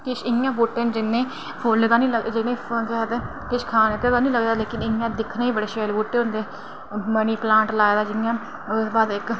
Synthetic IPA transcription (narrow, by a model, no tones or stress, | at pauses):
kɪʃɪjãːboːʈːeːnd͡ʒɪnːẽː | pʰoːleːd̪aːnĩːləd͡ʒɪnẽːkːt̪eː | kɪʃkʰaːnːk̪əːd̪aːnĩːləɡd̪aːleːkɪnɪjãːd̪ɪkʰnaːiːbəɽeːʃeːlboːʈːeːʊnd̪eː | məniːplãːɳʈlaːeːd̪aːd͡ʒɪjãː | baːd̪ɪk